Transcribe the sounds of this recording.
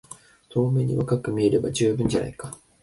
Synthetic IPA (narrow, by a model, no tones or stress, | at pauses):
t̪o̞ːme̞ɲ̟ḭβakakɯ̟mʲieɾe̞ba̰d͡ʑɨːbɯ̃ɲ̟d͡ʑana̰ikḁ